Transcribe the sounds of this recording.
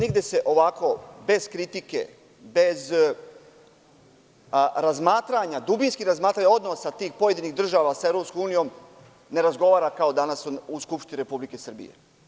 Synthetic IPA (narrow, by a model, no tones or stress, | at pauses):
niɡd̪e̞se̞ʔo̞ʋako̞be̞z̥kɾit̪ikḛ | be̞z | ɾazmaːt̪ɾaɲad̪ubinskiɾazmaːt̪ɾaɲao̞d̪nosat̪iːxpo̞je̞d̪iniɣd̪r̩ʒaʋasaevɾopskomuːnijo̞m | ne̞ɾazɡo̞ʋaːɾakao̞d̪anasuskupʃt̪iniɾe̞publike̞sər̩bḭjḛ